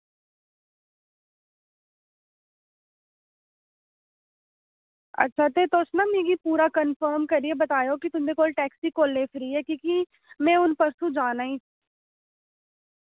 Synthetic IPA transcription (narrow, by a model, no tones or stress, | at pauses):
ə̰tːʃʰaːt̪eːt̪osnãːmĩːɡiːpuːɾaːkənfəːɾmkəɾieːbət̪aːjoːkɪt̪ʊmd̪eːkoːlʈɛːksiːkoːlːeːfʰɾiːɛːkĩːki | mɛ̃ːʊnpəɾsũːd͡ʒaːnaːĩː